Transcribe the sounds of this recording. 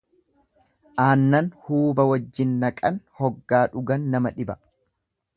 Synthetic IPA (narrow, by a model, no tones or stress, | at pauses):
ʔaːnːɐnhuːbɐwɐd͡ʒːɪnːɐkʼɐnhɔɡːaːᶑʊɡɐnːɐmɐᶑɪbɐ̥